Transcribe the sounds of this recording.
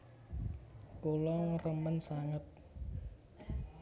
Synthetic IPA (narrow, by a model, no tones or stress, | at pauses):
kolɔŋrəmənsaŋət̪̚